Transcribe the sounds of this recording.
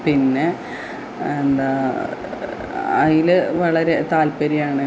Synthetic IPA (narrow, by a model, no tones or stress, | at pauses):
pinːe̞ | end̪aː | ɐjilɨʋɐɭɐɾe̞t̪aːlpɐɾijaːɳɨ